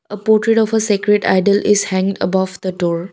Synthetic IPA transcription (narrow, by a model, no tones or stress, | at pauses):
əpɔːɾʈɾeʈɔfəsekɾeʈa̰ɪɖəlʔɪzhæ̃ŋɖə̰bɔʋd̪̥əʈoːɾ